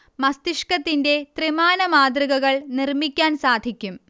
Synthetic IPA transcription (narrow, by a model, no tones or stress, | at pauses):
mɐst̪iʂkɐt̪ːinde̞t̪rimaːnɐmaːd̪riɣɐɣɐɭnirmikʲːaːnsaːd̪ʱikʲːum